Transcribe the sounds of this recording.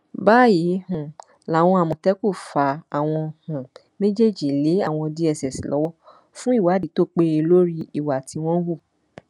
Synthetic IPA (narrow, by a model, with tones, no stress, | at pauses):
baː˦ji˨˦hũ˨ | la˨˦˨w̃ɔ̃˧a˨mɔ̃˨tɛ˦ku˦˨fa˨˦a˨w̃ɔ̃˧hũ˨ | nẽ˦d͡ʒe˦d͡ʒi˦˨le˨˦a˦˨w̃ɔ̃˧di˧ɛ˨sɛ˨si˨lʔɔ˨˦wɔ˦ | fũ˦i˦˨wa˨˦di˨˦to˦˨k͡pe˧e˧lo˦ɾi˦i˦˨wa˨tʰi˧w̃ɔ̃˦wu˦˨